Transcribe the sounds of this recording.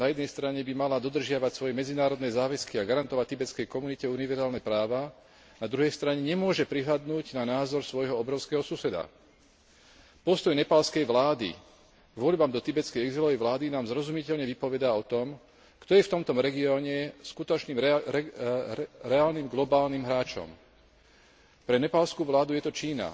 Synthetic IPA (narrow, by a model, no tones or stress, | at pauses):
najɛd̪nɛjst̪ɾaɲɛbimalad̪ɔd̪r̩ʒɪaʋacsʋɔjɛmɛd͡zinaːɾɔd̪nɛzaːʋɛskiaɡaɾant̪ɔʋac̚t̪ibɛt͡skɛjkɔmunicɛuniʋɛɾzaːlnɛpɾaːʋa | nad̪ɾuɦɛjst̪ɾaɲɛɲɛmʊɔʒɛpɾiɦlad̪nuːɟnanaːzɔɾsʋɔjɦɔɔbɾɔʊskɛɦɔsusɛd̪a̰ | pɔst̪ɔjnɛpalskɛjʋlaːd̪ḭ | ɡʋɔʎbamd̪ɔt̪ibɛt͡skɛjɛɡzilɔʋɛjʋlaːd̪inaːmzɾɔzumicɛʎɲɛʋipɔʋɛd̪aɔt̪ɔm | kt̪ɔjɛft̪ɔmt̪ɔmɾɛɡiɔːɲɛskut̪ɔt͡ʃniːm | ɾɛaːlnimɡlɔbaːlniːmɦɾaːt͡ʃɔ̰m | pɾɛnɛpalskuːʋlaːd̪ujɛt̪ɔt͡ʃiːna̰